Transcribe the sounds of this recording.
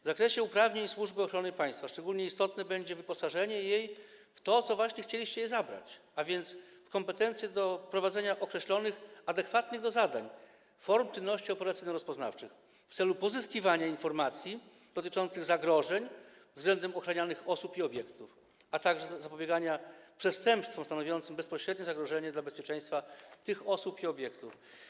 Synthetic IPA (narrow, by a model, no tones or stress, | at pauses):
vzakɾɛɕɛupɾavɲeɲswuʐbɘɔxɾɔnɨpaj̃st̪faʂt͡ʂɛɡulɲɛist̪ɔt̪nɛbɛɲd͡ʑɛvɘpɔsaʐɛɲɛjejft̪ɔt̪sɔvwaɕɲɛxt͡ɕelʲiɕt͡ɕɛjɛzabɾa̰t͡ɕavʲjɛnt̪sfkɔmpɛt̪ɛnt̪sʲjɛd̪ɔpɾɔvad̪zɛɲaʔɔkɾɛɕlɔnɘxad̪ɛkfat̪nɘɣd̪ɔzad̪a̰ɲ | fɔɾmt͡ʂɨnːɔɕt͡ɕiɔpɛɾat̪sɘjnɔɾɔspɔzna̰ft͡ʂɘx | ft̪sɛlupɔzɘskʲivaɲainfɔɾmat̪sʲji | d̪ɔt̪ɘt͡ʂɔnt̪sɘɣzaɡɾɔʐɛɲvzɡlɛnd̪ɛmɔxɾaɲanɘxɔsupiɔbʲjɛkt̪uf | at̪aɡʐɛzzapɔbʲjɛɡaɲapʂɛst̪ɛmpst̪fɔmst̪anɔvʲjɔnt̪sɘmbɛspɔɕɾɛd̪̚ɲɛzaɡɾɔʐɛɲɛd̪labɛspʲjɛt͡ʂɛ̃j̃st̪fat̪ɘxɔsupiɔbʲjɛkt̪uf